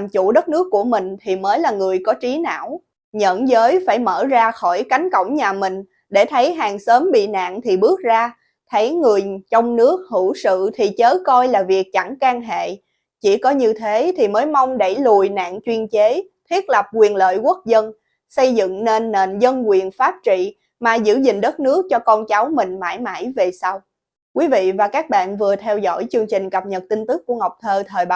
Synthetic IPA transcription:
mt͡ɕu˧˩ɗə˦˥t̚nɨ˦˥əkːu˧˩əmï˨˩ŋ̟t̪ʰi˨˩məː˨˦jlaː˨˩ŋɨ˨˩əjkɔ˨˦t͡ɕi˨˦na̰ː˧˨w | ɲə̰˧˨nzəː˨˦jfaː˧˩jməː˧˩zaː˧xɔ˧˩jka˨˦jŋ̟kə̰˧˨˩wŋ͡mɲaː˨˩mï˨˩ŋ̟ | ɗe˧˩t̪ʰə˨˦jɦaː˨˩ŋsəː˨˦mɓḭ˧˨na̰ː˧˨ŋt̪ʰi˨˩ɓɨ˦˥ək̚zaː˧ | t̪ʰə˨˦jŋɨ˨˩əjt͡ɕɔ˧wŋ͡mnɨ˦˥ək̚hu˧˩sɨ̰˧˨t̪ʰi˨˩t͡ɕəː˨˦kɔ˧jlaː˨˩vi˨˩ək̚t͡ɕa˧˩ŋkaː˧ŋɦḛ˧˨ | t͡ɕi˧˩kɔ˨˦ɲɨ˧t̪ʰe˨˦t̪ʰi˨˩məː˨˦jma˧wŋ͡mɗə˧˩jlu˨˩jna̰ː˧˨ŋt͡ɕwi˧ənt͡ɕe˨˦t̪ʰwi˦˥ət̚lə˨˩p̚kwi˨˩ənlə̰ː˧˨jkwə˦˥k̚zə˧n | sə˧jzɨ̰˧˨ŋne˧nːḛ˧˨nzə˧nkwi˨˩ənfaː˦˥p̚t͡ɕḭ˧˨ | maː˨˩zɨ̰˧˥zï˨˩ŋ̟ɗə˦˥t̚nɨ˦˥ək̚t͡ɕɔ˧kɔ˧nt͡ɕa˨˦wmï˨˩ŋ̟ma̰ː˧˩jma̰ː˧˩jve˨˩sa˧w | kwi˨˦vḭ˧˨vaː˨˩kaː˦˥k̚ɓa̰ː˧˨nvɨ˨˩ət̪ʰɛ˧wzɔ̰˧˥jt͡ɕɨ˧əŋt͡ɕï˨˩ŋ̟kə˨˩p̚ɲə˨˩t̚t̪i˧ŋt̪ɨ˦˥k̚ːu˧˩əŋa˨˩wk͡p̚t̪ʰəː˧t̪ʰəː˨˩jɓa˨

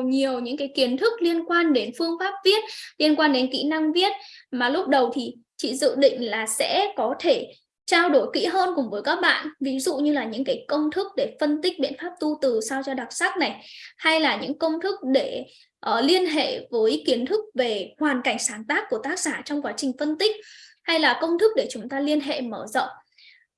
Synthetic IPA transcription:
ɲi˨˩əwɲɨ̰˧˥ŋkaː˨˦jki˨˦ənt̪ʰɨ˦˥k̚li˧ənkwaː˧nɗe˨˦nfɨ˧əŋfaː˦˥p̚vi˦˥ət̚li˧ənkwaː˧nɗe˨˦nkḭ˧˥na˧ŋvi˦˥ət̚maː˨˩lʊ˦˥p̚ɗə˨˩wt̪ʰi˨˩t͡ɕḭ˧˨zɨ̰˧˨ɗḭ̈˧˨ŋ̟laː˨˩sɛ̰˧˥kɔ˨˦t̪ʰe˧˩ | t͡ɕaː˧wɗo˧˩jkḭ˧˥ɦəː˧nkʊ̰˨˧˩ŋ͡mvəː˨˦jkaː˦˥k̚ɓa̰ː˧˨nʔvi˨˦zṵ˧˨ɲɨ˧laː˨˩ɲɨ̰˧˥ŋkaː˨˦jkə˧wŋ͡mt̪ʰɨ˦˥k̚ɗe˧˩fə˧nt̪ï˦˥k̟̚ɓḭ˧˨ənfaː˦˥p̚t̪u˧t̪ɨ˨˩sa˧wt͡ɕɔ˧ɗa˨˩t̚saː˦˥k̚na˨˩jha˧jlaː˨˩ɲɨ̰˧˥ŋkə˧wŋ͡mt̪ʰɨ˦˥k̚ɗe˧˩ | ʔəː˨˩li˧ənɦḛ˧˨vəː˨˦jki˨˦ənt̪ʰɨ˦˥k̚ve˨˩hwaː˨˩nka˧˩jŋ̟saː˨˩˦nt̪aː˦˥kːu˧˩t̪aː˦˥k̚saː˧˩t͡ɕɔ˧wŋ͡mkwaː˨˦t͡ɕï˨˩ŋ̟fə˧nt̪ï˦˥k̟̚ha˧jlaː˨˩kə˧wŋ͡mt̪ʰɨ˦˥k̚ɗe˧˩t͡ɕʊ˨˦ŋ͡mt̪aː˧li˧ənɦḛ˧˨məː˧˩zə̰˧˨wŋ͡mʔ

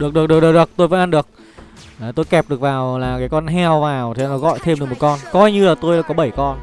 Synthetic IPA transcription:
ɗɨ˨˩ək̚ɨ˨ək̚ɗɨ˨˩ək̚ɨ˨˩k̚ɨ˨˩ək̚t̪o˧jvə̰ː˧˥nʔaː˧nɗɨ˨˩ək̚ː | t̪o˧jkɛ˨˩p̚ɗɨ˨˩ək̚vaː˨˩wlaː˨˩kaː˨˦jkɔ˧nɦɛ˧wvaː˨˩wt̪ʰe˨˧˨nɔ˨˦ɣɔ̰˧˨jt̪ʰe˧mɗɨ˨˩kmo˨˩t̚kɔ˧nkɔ˧jɲɨ˧laː˨˩t̪o˧jla̰ː˧˥kɔ˨˦ɓə˧˩jkɔ˧n

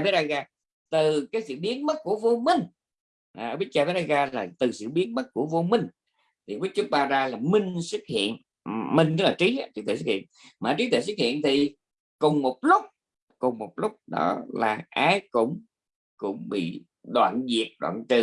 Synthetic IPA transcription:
fe˦˥a˧jɣaː˧ | t̪ɨ˨˩kaː˨˦jsɨ̰˧˨ɓi˨˦ənmə˦˥t̚ku˧˩əvo˧mï˧˩ŋ̟ | ʔʔə˧ɓi˦˥t̚t͡ɕaː˧fɾaː˧jɣaː˧laː˨˩t̪ɨ˨˩sɨ̰˧˨ɓi˨˦ənmə˦˥t̚ku˧˩əvo˧mï˧˩ŋ̟ | t̪ʰi˨˩wi˦˥t̚t͡ɕʊ˦˥k͡p̚ɓaː˧zaː˧laː˨˩mï˧ŋ̟sɨ˦˥t̚hḭ˧˨ən | mï˧ŋ̟t̪ə˧˦k̚laː˨˩i˨˦a˨˦t͡ɕɨ˦˥t̪we˧˨˩s̬̚hḭ˧˨ə˨nmaː˨˩t͡ɕi˨˦t̪ʰwḛ˧˨s̬wɨ˦˥k̚hḭ˧˨ənt̪ʰi˨˩ | kʊ˨˩ŋ͡mmo˨˩t̚lʊ˦˥k͡p̚ | kʊ˨˩ŋ͡mmo˨˩t̚lʊ˦˥k͡p̚ɗɔ̰˨˦laː˨˩ʔaː˨˦jkʊ̰˧˥ŋ͡m | kʊ̰˧˥ŋ͡mɓḭ˧˨ | ɗwa̰ː˧˨nzi˨˩ək̚ɗwa̰ː˧˨nt͡ɕɨ˨˩

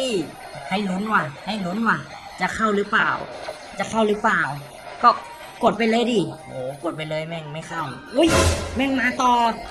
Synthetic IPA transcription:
i˧˩ | ha˧˩jlu˧˥˨nwaː˧˩ha˧˥˩jlo˧˦˥nwaː˧˩ | t͡ɕa˨˩kʰa˧˥˩wlɯː˦˥pa̰ː˨˩w | t͡ɕa˨˩kʰa˧˥˩wlɯː˧˦˥paː˨˩w | kɔː˧˩ | ko˨˩t̪̚pa˧jlɤː˧˥˨jdiː˧˩ʔoː˨˩ko˨˩t̪̚pa˧˨jlɤː˧˥˨jmɛ˧˩˨ŋma˧˥˩jkʰa˧˥˩wʔu˧˥˨jmɛ˧˥˩ŋmaː˧t̪ɔː˧˩

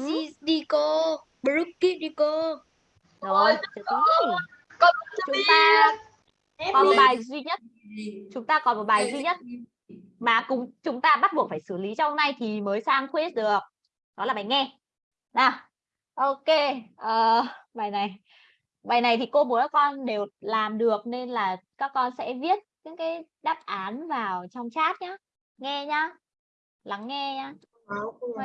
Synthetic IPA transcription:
i˧ɗi˧ko˧ | ɓɾu˦˥kːi˦˥ɗi˧ko˧ | zo˨˩˨t͡ɕɨ˨˧˦ɔ˨˦˨ | t͡ɕʊ˨˦ŋ͡mt̪aː˧ | kɔ˨˦m̚˨˩ɓaː˨˩jzwi˧ɲə˦˥t̚t͡ɕʊ˨˦ŋ͡mt̪aː˧kɔ˨˦nmo˨˩ɓaː˨˩jzwi˧ɲə˦˥t̚ | maː˨˩kʊ̰˨˦ŋ͡mt͡ɕʊ˨˦ŋ͡mt̪aː˧ɓa˦˥t̚ɓu˨˩ək̚faː˧˩jsɨ˧˩li˨˦t͡ɕɔ˧ŋ͡mhə˧ŋ͡mna˧jt̪ʰi˨˩məː˨˦jsaː˧ŋt̪ʰwe˦˥s̚ɗɨ˨˩ək̚ | ɗɔ˨˦laː˨˩ɓaː˨˩jŋɛ˧ | nɔ˨˩ | ʔo˧ke˧ʔəː˨˩ɓaː˨˩jna˨˩j | ɓaː˨˩jna˨˩jt̪ʰi˨˩ko˧mu˨˦naː˦˥kɔ˧nɗe˨˩wlaː˨˩mɗɨ˨˩ək̚ne˧nlaː˨˩kaː˦˥kːɔ˧nsɛ̰˧˥vi˦˥ət̚i˨˦ŋkaː˨˦j | ɗaː˦˥p̚ʔaː˨˦nvaː˨˩wt͡ɕɔ˧wŋ͡mt͡ɕaː˦˥t̚ɲaː˨˦ | ŋɛ˧ɲaː˨˦˥ | la˨˦ŋːɛ˧ɲaː˧˨

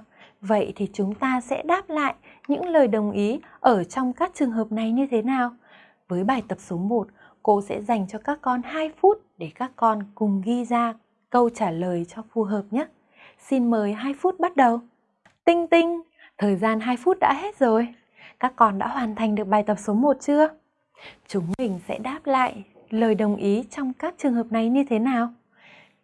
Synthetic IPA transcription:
və̰˧˨jt̪ʰi˨˩t͡ɕʊ˨˦ŋ͡mt̪aː˧sɛ̰˧˥ɗaː˦˥p̚la̰ː˧˨jʔɲɨ̰˧˥ŋləː˨˩jɗə˨˩wŋ͡mʔi˨˦ʔəː˧˩t͡ɕɔ˧wŋ͡mkaː˦˥k̚t͡ɕɨ˨˩əŋɦəː˨˩p̚na˨˩jɲɨ˧t̪ʰe˨˦naː˨˩w | vəː˨˦jɓaː˨˩jt̪ə˨˩p̚so˨˦mo˨˩t̚ | ko̰˧sɛ̰˧˥za˨˩jŋ̟t͡ɕɔ˧kaː˦˥kːɔ˧nhaː˧jfu˦˥t̚ɗe˧˩kaː˦˥kːɔ˧nkʊ˨˩ŋ͡mɣi˧zaː˧ | kə˧wt͡ɕaː˧˩ləː˨˩jt͡ɕɔ˧fu˨˩ɦəː˨˩p̚ɲə˦˥t̚ | si˧nməː˨˦jɦaː˧jfu˦˥t̚ɓa˦˥t̚ɗə˨˩w | t̪ï˧ŋ̟t̪ï˧ŋ̟ | t̪ʰəː˨˩jzaː˧nɦaː˧jfu˦˥t̚ɗa̰ː˧˥ɦe˦˥t̚zo˨˩j | kaː˦˥kːɔ˧nɗa̰ː˧˥ɦwaː˨˩nt̪ʰa˨˩jŋ̟ɗɨ˨˩ək̚ɓaː˨˩jt̪ə˨˩p̚so˨˦mo˨˩t̚t͡ɕɨ˧ə | t͡ɕʊ˨˦ŋ͡mmï˨˩ŋ̟sɛ̰˧˥ɗaː˦˥p̚la̰ː˧˨j | ləː˨˩jɗə˨˩wŋ͡mʔi˨˦t͡ɕɔ˧wŋ͡mkaː˦˥k̚t͡ɕɨ˨˩əŋɦə˨˩p̚na˨˩jɲɨ˧t̪ʰe˨˦naː˨˩w

